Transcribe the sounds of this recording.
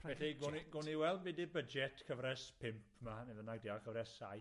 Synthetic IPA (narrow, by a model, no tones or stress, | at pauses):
ɛiɡʊniɡʊniwɛlˠdvidibəd͡ʒɛtʰkʰəvɾɛspʰɪmpʰmaniðənaɡ̚diɔkʰəvɾɛsaj